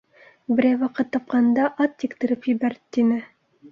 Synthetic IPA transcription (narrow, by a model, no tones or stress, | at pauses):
bɘ̆ɾæjwɑqɤt̪ːɑp̚qɑnd̪ɑʔɑt̪ːikt̪ɘ̆ɾɘpjɘ̆bæɾɘt̪inɘ